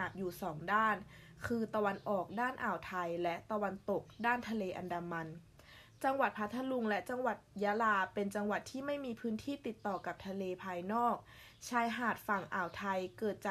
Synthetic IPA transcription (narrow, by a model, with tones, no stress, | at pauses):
a˨˩p̚juː˨˩sɔː˩˦ŋdaː˥˩n | kʰɯː˧t̪a˧wa˧nʔɔː˨˩k̚daː˥˩nʔaː˨˩wt̪ʰa˧jlɛ˦˥ʔt̪a˧wa˧nt̪o˨˩k̚daː˥˩nt̪ʰa˧leː˧ʔa˧ndaː˧ma˧n | t͡ɕa˧ŋwa˨˩t̪̚pʰt̪ʰːa˧lu˧ŋlɛ˦˥ʔt͡ɕa˧ŋwa˨˩t̪̚jaː˧˦˥laː˧pe˧nt͡ɕa˧ŋwa˨˩t̪ʰːiː˥˩ma˥˩jmiː˧pʰɯː˦˥nt̪ʰiː˥˩t̪i˨˩t̪ːɔː˨˩ka˨˩p̚t̪ʰa˧leː˧pʰaː˧jnɔː˥˩k̚ | t͡ɕʰaː˧jɦaː˨˩t̪̚fa˨˩ŋʔaː˨˩wt̪ʰa˧jkɤː˨˩t̪̚t͡ɕa˨˧